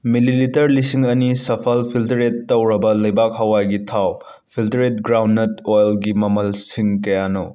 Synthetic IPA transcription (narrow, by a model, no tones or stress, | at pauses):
mililitɐɾlisiŋɐnisɐpʰɐlpʰiltɾetːɐwɾɐbɐlɐjbak̚hɐwajɡitʰaw | pʰiltɾet̚ɡɾawnːɐtojlɡimɐmɐlsiŋkɐjano̰